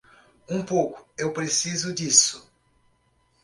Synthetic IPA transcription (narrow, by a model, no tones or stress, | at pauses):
ũpowkʊ̥ewpɾesizʊd͡ʒisʊ̥